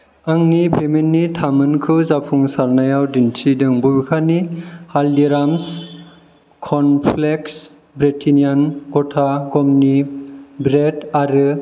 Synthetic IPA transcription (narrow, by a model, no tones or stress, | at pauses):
aŋnipʰemenːitʰamɯnkʰɯzapʰuŋsaɾnajawdintʰidɯŋbubikʰanihaldiɾams | kʰɔnpʰleks | bɾitʰinijanɡɔtʰaɡɔmnibɾetaɾɯ